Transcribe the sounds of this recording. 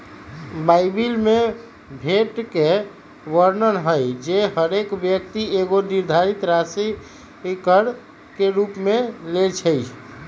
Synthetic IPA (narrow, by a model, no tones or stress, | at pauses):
bajbilme | bʱeʈke | ʋəɾnəɾɦəjd͡ʒeɦəɾekbjəkt̪ieɡoniɾd̪ʱaɾit̪ɾasi | kəɽ | keɾupmelet͡ʃʰəjt͡ʃʰ